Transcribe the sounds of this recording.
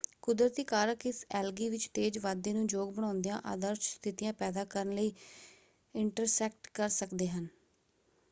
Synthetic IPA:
kʊd̪ɾət̪iːkaːɾəkɪsɛːlɡiːʋɪt͡ʃt̪eːd͡ʒʋaːd̪eːnũːd͡ʒoːɡ̚bəɽ̃ãːʊnd̪ijãːʔa̰ːd̪əɾʃst̪ʰɪt̪ijãːpɛːd̪aːkəɾənləiː | ɪɳʈəɾsɛːk̚ʈkəɾsəkd̪eːɦən

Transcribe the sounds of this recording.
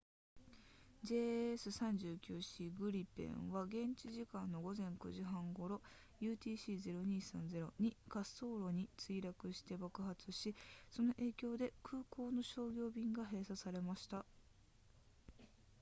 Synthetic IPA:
d͡ʑe̞ːesɨsãɲ̟d͡ʑɨːkʲɨːɕiːɡɯ̟ɾʲipḛ̃ɰ̃βaɡẽ̞ɲ̟t͡ɕiʑikãnːo̞ɡo̞zẽ̞ŋkɯ̟ʑiɦãŋɡo̞ɾo̞ | jɯ̟ːt̪ʲiːɕiːze̞ɾo̞ɲ̟iːsã̰nd͡ze̞ɾo̞ɲ̟ikaso̞ːɾo̞ɲ̟it͡sɨiɾakɯ̟ɕi̥t̪e̞bakɯ̟ɦat͡sɨɕiso̞no̞ʔe̞ːkʲo̞ːd̪e̞kʰɯ̟ːko̞ːno̞ɕo̞ːɡʲo̞ːbʲĩŋɡaɦe̞ːsasaɾe̞maɕi̥t̪a

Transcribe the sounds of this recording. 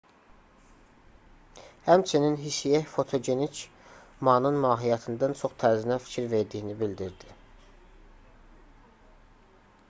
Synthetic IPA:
hæmt͡ʃʰininɦisijæfo̞t̪ʰo̞ɟe̞nit͡ʃʰ | mɑnɯnmɑːɦijɑt̪ʰɯnd̪ɑnt͡ʃʰo̞χt̪ʰæɾzinæfi̥cʰiɾve̞ɾd̪ijinibild̪iɾd̪i

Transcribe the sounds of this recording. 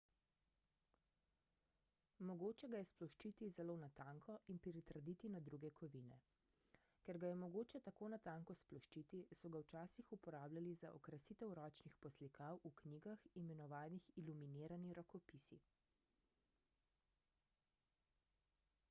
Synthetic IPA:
mɔɡoːt͡ʃɛɡajɛsplɔʃt͡ʃit̪izɛlonat̪aŋkʰɔinpɾit̪ɾd̪it̪inad̪ɾuɡɛkʰɔʋinɛ̰ | kɛɾɡajɛmɔɡoːt͡ʃɛt̪akoːnat̪aŋkɔsplɔʃt͡ʃit̪isɔɡawt͡ʃaːsixupɔɾaːblʲalizaʔɔ̰kɾasiːt̪ɛwɾɔːt͡ʃnixpɔslikawukniːɡaximɛnɔʋaːnixiluminiːɾaniɾɔkɔpisi

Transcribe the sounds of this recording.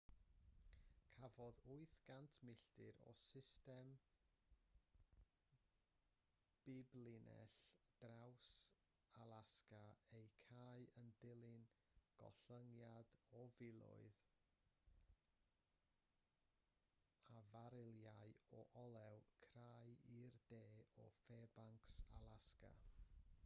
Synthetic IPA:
kʰavɔðʊɨθɡ̥antʰmɪɬtɪɾɔ̰sɪstɛm | b̥ɪblˠɪnɛ̰ɬd̥raws | alˠaskaejkʰaːɨəndɪlˠɪnɡ̥ɔ̰ɬəŋjadɔvɪlˠʊ̰ɨð | avaɾɪlˠjaɨɔʔɔlˠɛwkʰraːjirdeːɔ̰fɛːbaŋksa̰lˠaska̰

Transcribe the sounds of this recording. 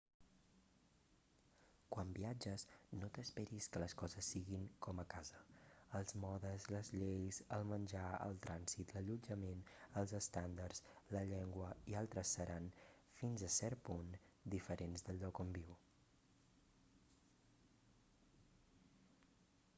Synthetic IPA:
kwambiad͡ʒəznot̪əspɛɾiskələskɔzəsːiɣiŋkɔməkazəəlˠzmɔðəzləzʎejzəlˠmənʲʒaə̰lˠt̪ɾanzit̪ləʎud͡ʒəmenəlˠzəst̪and̪ərzləʎɛŋɡwəialˠt̪ɾəsːəɾʔan | finzəsɛɾpund̪ifəɾʔenzðəlˠʎːɔkɔmbiw

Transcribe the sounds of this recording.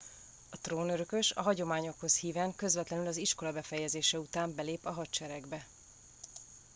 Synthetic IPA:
ɒt̪roːnøɾøkø̞ʃɒ̰ɦɒɟo̞maːɲo̞kho̞shiːvɛŋkø̞zvɛt̪lɛnylɒziʃko̞lɒbɛfɛjɛzeːʃɛut̪aːmbɛleːpɒɦɒt̪t͡ʃɛɾɛɡbɛ

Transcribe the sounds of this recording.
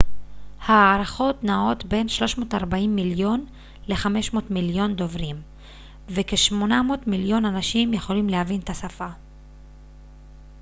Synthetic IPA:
haːɾaχo̞tnao̞t̪be̞nʃlo̞ʃmo̞ːtaʁbaimːiljo̞n | le̞χame̞ʃmo̞ːtmiljo̞nd̪o̞vʁim | veke̞ʃmo̞namo̞ːtmiljo̞nanaʃimje̞χo̞limlehavint̪asafa

